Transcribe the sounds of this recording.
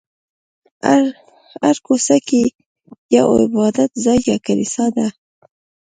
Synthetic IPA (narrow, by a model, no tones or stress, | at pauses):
aɾkosaki | jɑʔo̰ɪbɑd̪at̪zɑjːakalisɑd̪a